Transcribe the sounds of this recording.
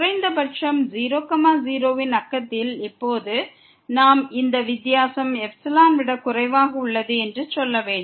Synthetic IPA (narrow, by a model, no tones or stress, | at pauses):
rɐɪnd̪ɐbɐʈʂɐmziːɾoːkɐmaːziːɾoːʋɪnɐkːɐt̪ːɪlɪpːoːðɯ | naːmɪnd̪ɐʋɪt̪ːɪjaːsɐmɛfsɐlaːnʋɪɽɐkʊrɐɪʋaːɣɐʊɭːɐðɯɛndrɯsɔlːɐʋeːɳɖ